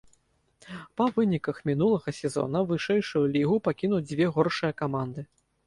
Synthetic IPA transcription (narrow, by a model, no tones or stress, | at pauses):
pɐvɨnʲikɐxmʲin̪ulˠɐɣɐsʲɛzɔ̰nɐvɨʂɛjʂujulʲiɣupakʲinud͡zʲvʲɛɣɔrʂɨjɐkamand̪ɨ